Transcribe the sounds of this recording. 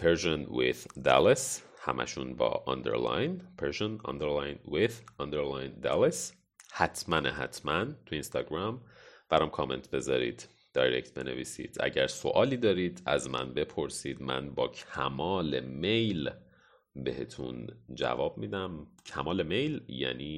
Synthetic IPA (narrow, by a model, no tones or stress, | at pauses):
pʰeɾʒonwḛð̥d̪æ̰les | hæ̰mʔæ̰ʃunbɒ̰ːʔɒnd̪e̞̰ɾlɑ̰jnpʰeɾʃonɒ̰nd̪eɾlɑjnwiðɒnd̪eɾlɑjnd̪æles | hæt̪ʰmæneɦæ̰t̪ʰmænt̪ʰuinst̪ɒːɡɾɑmb̥æɾɒmkʰɒːme̞̰nt̪ʰbe̞zɒːɾḭːd̪̥ | d̪̥ɒːjɾect̪̚ʰbe̞ne̞̰viːsḭːd̪̥ʔæ̰ɟæɾso̞ʔɒːliːd̪ɒːɾiːd̪æzmæ̰nbe̞pʰo̞ɾsiːd̪mæ̰nbɒːcʰæmɒːleme̞jl | behe̞t̪ʰṵnd͡ʒæ̰vɒːb̥̚miːd̪æmcʰæmɒːle̞me̞jljæ̰niː